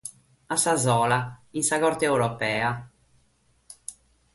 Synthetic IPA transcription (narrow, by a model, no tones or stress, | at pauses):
asːazɔːlainsaɣɔɾt̪eɛwɾɔpɛːa